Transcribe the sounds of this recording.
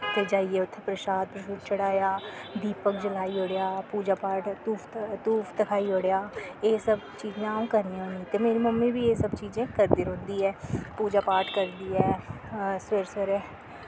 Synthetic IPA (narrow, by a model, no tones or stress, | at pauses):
t̪eːd͡ʒaːieːʊt̪ʰːepɾəʃaːd̪̚pɾəʃuːt̪̚t͡ʃəɽaːjaːd̪iːpəkd͡ʒəlaːiːoːɽejaːpuːd͡ʒaːpaːʈ̪uːpʰt̪uːpʰt̪əkʰaːiːoːɽejaːeːsəb | t͡ʃiːd͡ʒẽːaːũːkəɾniːõːnit̪eːmeːɾiːməmːĩːbiːeːsəbt͡ʃiːd͡ʒẽːkəɾd̪ɪɾɦõːnd̪iːɛːpuːd͡ʒaːpaːɾʈkəɾd̪iːɛː | sweɾsəɾɛː